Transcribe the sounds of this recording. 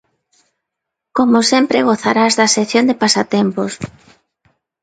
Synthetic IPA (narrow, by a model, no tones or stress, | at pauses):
komosempɾeɣoθaɾazðɐseθjond̪epasat̪empos